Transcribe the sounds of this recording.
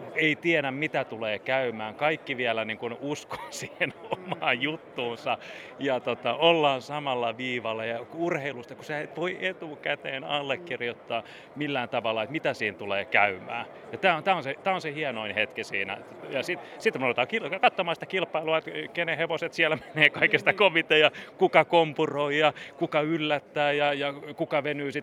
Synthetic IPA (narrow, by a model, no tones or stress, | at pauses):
eit̪ieɾæmmit̪æt̪uleːkæymæːŋkɑikːiʋiælæniːŋkunusko̥ːsiːhenomɑːjjut̪ːuːnsɑjɑt̪ot̪ɑʔolːɑːnsɑmɑlːɑʋiːʋɑlːɑjɑkurheilust̪ɑkuseæt̪ʋoiʔet̪uːkæt̪eːnɑ̰lːekːirjot̪ːɑː | milːæːnt̪ɑʋɑlːɑet̪mit̪æsiːnt̪uleːkæymæ̰ː | jɑt̪æːont̪æːonset̪æːonsehiɛnoinhet̪kisḭːnæ̰ | jɑsit̪sit̪ːmolt̪ɑːkilkɑt̪ːomɑːsit̪ækilpɑiluɑet̪keneheʋoset̪siælæme̥neːkɑikest̪ɑkoʋit̪ejɑkukɑkompuroijɑkukɑylːæt̪ːæːjɑjɑkukɑʋenyːsit̪